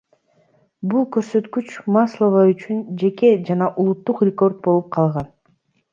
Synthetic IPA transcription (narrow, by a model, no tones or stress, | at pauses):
bulˠkø̞ɾsø̞t̪kyt͡ʃmaslˠovayt͡ʃynd͡ʒe̞ke̞d͡ʒɑnɑʔulˠut̪ːuqrʲɪko̞rt̪̚bo̞lˠup̚qʰɑlˠʁɑn